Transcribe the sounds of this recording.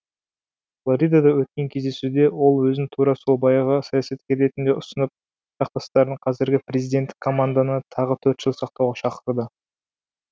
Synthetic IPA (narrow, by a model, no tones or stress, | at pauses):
flˠoɾʲijd̪ad̪ɑwɵt̪̚kʲe̞ŋkʲʰe̞zd̪e̞sud̪e̞wo̞lˠwɵzɪnt̪ʰuɾɑsubɑjɑʁəsɑjasɑt̪̚kʲʰe̞ɾe̞t̪ɪnd̪e̞ʔʊsənəp̚ | ʒɑq̚t̪ɑst̪ɑɾd̪əɴqʰɑzɪɾɡʲɪpre̞zijd̪e̞nt̪ːɪ̥kʰːo̞mand̪anət̪ʰɑʁət̪ʰɵɾt̪ʒ̥əlˠsɑq̚t̪ɑwʁɑʃɑqəɾd̪ə